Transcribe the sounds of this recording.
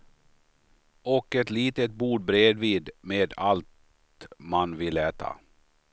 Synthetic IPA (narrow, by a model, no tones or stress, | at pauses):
ɔkɛt̪liːt̪ət̪̚buːɖ̚bɾeːd̪viːd̪meːd̪alt̪ | manvɪlːɛːt̪ʰa̰